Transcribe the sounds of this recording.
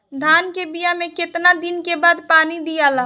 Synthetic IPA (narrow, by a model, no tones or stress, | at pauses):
d̪ʱaːnkebijamẽkɪt̪nad̪ɪnkebaːd̪paːnid̪ijalaː